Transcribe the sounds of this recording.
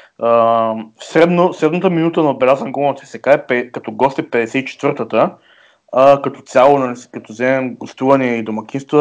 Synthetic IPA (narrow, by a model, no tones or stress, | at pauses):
ə | sɾɛd̪nosɾɛd̪nət̪əminut̪ənɐobɛlʲazənɡumt̪ɛsɛkaɛpɛkɐt̪ɔɡɔst̪ɛpɛd̪ɛsɛit͡ʃɛ̥t̪vɤɾt̪ət̪ə | əkɐt̪ɔ̥t̪sʲjalˠonɐliskɐt̪ɔzɛmɛmɡost̪uvɐnɛid̪omɐkʲinst̪və